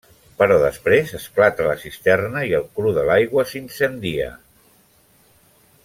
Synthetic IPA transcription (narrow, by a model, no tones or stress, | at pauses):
pəɾɔðəspɾezəsklat̪ələsist̪ɛrnəiəlˠkɾuðəlajɣwəsinsənd̪iə̰